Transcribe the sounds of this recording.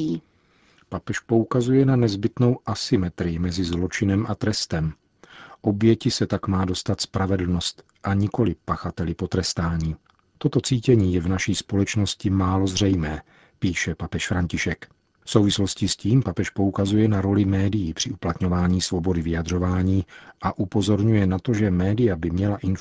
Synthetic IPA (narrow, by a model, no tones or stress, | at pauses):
papɛʃpo̞ukazujɛnanɛzbɪt̪no̞wʔasɪmɛt̪ɾɪjɪmɛzɪzlo̞t͡ʃɪnɛmʔat̪ɾɛst̪ɛm | ʔo̞bjɛcɪsɛt̪akmaːdo̞st̪at̪spɾavɛdl̩no̞st̪ | ʔaɲɪko̞lɪpaxat̪ɛlɪpo̞t̪ɾɛst̪aːɲiː | t̪o̞t̪o̞t͡siːcɛɲiːjɛvnaʃiːspo̞lɛt͡ʃno̞scɪmaːlo̞zr̝ɛjmɛː | piːʃɛpapɛʃfɾaɲcɪʃɛk | fso̞wvɪslo̞scɪsciːmpapɛʃpo̞ukazujɛnaɾo̞lɪmɛːdɪjiːpr̥ɪʔuplat̪ɲo̞vaːɲiːsvobo̞dɪvɪjad̪r̝o̞vaːɲiːʔaʔupo̞zo̞ɾɲujɛnat̪o̞ʒɛmɛːdɪjabɪmɲɛlaʔɪn